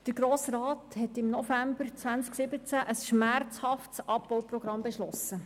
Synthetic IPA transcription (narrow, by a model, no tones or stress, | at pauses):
d̥əɡɾoːsrɑːthɛtɪmnɔfæmbəɾt͡sʋænt͡sksɪbət͡sæʔəsʃmært͡shɑftsɑpːowprɔɡ̥ɾɑmbeʃlɔsə